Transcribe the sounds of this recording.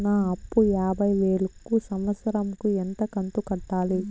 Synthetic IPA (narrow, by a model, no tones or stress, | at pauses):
nɐɐpːujaːbʱɐjʋeːɭukːusɐmʋɐt̪sɐɾɐmkuent̪ɐkɐnt̪ukɐʈːaːli